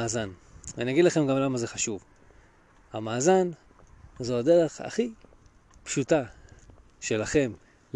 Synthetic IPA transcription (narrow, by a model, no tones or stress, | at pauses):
aːzana̰nijaɡidlaχe̞mɡamlamaze̞χaʃuv | hamaːzan | zoade̞ʁe̞χa̰χi | pʃuta | ʃe̞laχe̞m